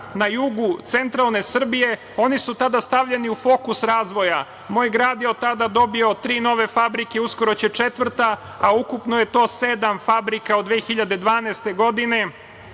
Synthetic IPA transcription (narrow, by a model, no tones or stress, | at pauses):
najuɡut̪se̞nt̪ɾalˠne̞sr̩bije̞ | o̞nisut̪ad̪ast̪aʋʎeniufo̞kusɾaːzʋo̞ja | mo̞ːjɡɾaːd̪jeot̪ːad̪ad̪o̞bio̞t̪ɾiːno̞ʋe̞fabɾike̞uskoɾot͡ɕet͡ʂe̞t̪ʋr̩t̪a | aukupno̞je̞t̪o̞ːse̞d̪amfabɾikaod̪ʋeːxiʎad̪e̞d̪ʋaːnajst̪e̞ɡo̞d̪ine̞